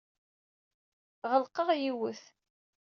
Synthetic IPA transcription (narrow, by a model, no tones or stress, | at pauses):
ʁəlqəʁjiwəθ